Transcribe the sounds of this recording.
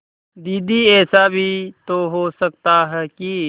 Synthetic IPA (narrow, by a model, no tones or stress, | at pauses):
d̪iːd̪iɛːsabʱit̪oɦosəkt̪aɦɛki